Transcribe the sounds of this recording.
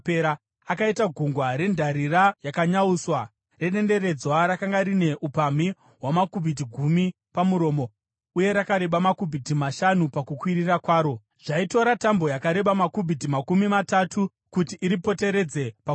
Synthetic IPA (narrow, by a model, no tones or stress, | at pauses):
peɾa | akaitaɡʱuŋɡwaɾe̞ndʱaɾirajakaɲauswa | re̞ɗe̞nde̞ɾe̞d͡zwaɾakaŋɡaɾine̞ʔupami | ɦwamakubʱitiɡʱumi | pamuɾo̞ːmo̞ | uje̞ɾakaɾe̞ɓamakubʱitimaʃanupakukwirirakwaːɾo̞ | ʐ̥aito̞ɾatambo̞jakaɾe̞ɓamakubʱitimakumimatatʰu | kutiʔːɾipo̞te̞ɾe̞d͡ze̞pa